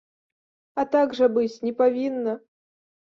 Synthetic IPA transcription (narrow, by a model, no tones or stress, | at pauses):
at̪aɡʐɨbɨt͡sʲnʲɛpavʲinːɐ